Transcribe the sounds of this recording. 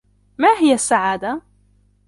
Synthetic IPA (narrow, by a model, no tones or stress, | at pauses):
maːɦɪjasːaʕaːd̪a